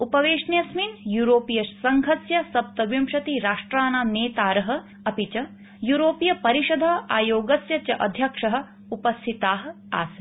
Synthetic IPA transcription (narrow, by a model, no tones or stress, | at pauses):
upɐʋeːʂnjɐsminjuːɾoːpijɐʃsɐŋɡʱɐsjɐsɐp̚t̪ɐʋjimʃɐt̪iɾaːʂʈɾaːnaːmneːt̪aːɾɐɦɐ̆ | ɐpit͡ʃɐ | juːɾoːpijɐpɐɾiʂɐd̪ʱɐaːjoːɡɐsjɐt͡ʃɐʔɐd̪ʱjɐkʂɐɦɐ̆ | upɐst̪ʰit̪aːɦɐ̆ | a̰ːsɐ